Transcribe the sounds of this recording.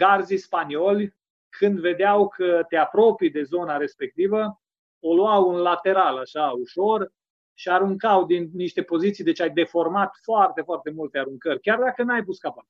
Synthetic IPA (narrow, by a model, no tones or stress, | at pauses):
ɡard̪zispanio̞lʲ | kʰɨnd̪ve̞d̪eawkʰət̪eapɾo̞pijd̪e̞zo̞naɾe̞spe̞k̚t̪ivə | oluawunlat̪e̞ɾalaʃauʃo̞r | ʃiaɾuŋkawd̪innːiʃt̪e̞po̞zit̪sijd̪et͡ʃajd̪e̞fo̞rmat̪foart̪e̞foart̪e̞mult̪eaɾuŋkərʲkʲard̪akənajpuskapa